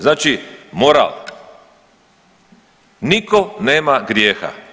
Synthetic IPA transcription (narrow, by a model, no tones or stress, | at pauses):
znaːt͡ʃimoɾa̰l | nikoneːmaɡɾjeːxa̰